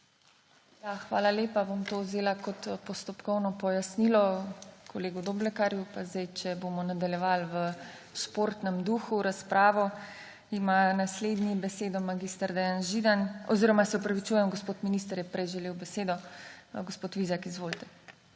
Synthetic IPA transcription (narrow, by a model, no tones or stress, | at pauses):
jaxʋa̰ːlaleːpabomt̪owzeːlakɔt̪pɔst̪ɔpkɔwnɔpɔjasnilɔkʰɔleːɡud̪oːblɛkaɾjupazd̪ajt͡ʃɛbomɔnad̪aljɛʋalʋə | ʃpoːɾt̪nɛmd̪uːxuɾaspɾaːʋɔ | imanasled̪nibɛseːd̪ɔmaɡist̪aɾd̪ɛjanʒid̪anɔziɾɔmasɛɔpɾaʋit͡ʃuːjɛmɡospoːt̪minist̪əɾjɛpɾɛjʒɛleːwbɛseːd̪ɔɡospoːt̪ʋizakizʋoːlt̪ɛ̥